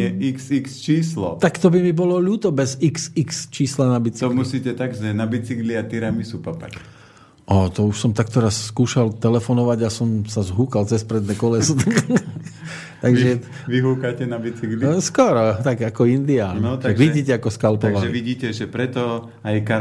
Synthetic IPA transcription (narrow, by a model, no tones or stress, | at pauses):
ɛiksikst͡ʃiːslɔ̰t̪akt̪ɔbimibɔlɔʎuːt̪ɔbɛziksikst͡ʃiːslanabit͡siɔmusiːcɛt̪aɡʒɛnabit͡siɡliat̪iɾamisupapa̰c | ʔat̪ɔuʃsɔmt̪ak̚t̪ɔɾasːkuːʃalt̪ɛlɛfɔnɔʋaɟasɔmsazɦuːkalt͡sɛspɾɛd̪nɛːkɔlɛst̪ak | t̪aɡʒɛ | ʋiɦuːkacɛnabit͡siɡliskɔɾɔt̪aɡakɔind̪ianɔt̪aaɡʋʒiɟiːcɛakɔskalpɔʋalʒɛiʋiɟiːcɛʒɛpɾɛt̪ɔ | ajka